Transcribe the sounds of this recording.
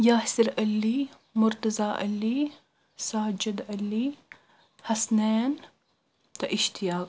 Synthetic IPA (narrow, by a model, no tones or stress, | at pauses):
jaːhsɪɾɐlːiː | mʊɾt̪ɐzaːʔɐ̰lːiː | saːd͡ʒɪd̪ɐlːiː | hɐsneːn | t̪ɐʔɪʃt̪ɪjaːk̚